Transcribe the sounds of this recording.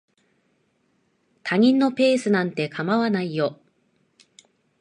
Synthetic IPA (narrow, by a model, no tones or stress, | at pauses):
t̪ʰaɲ̟ĩnːo̞pe̞ːsɨnãnt̪e̞kʰamaβanaijo̞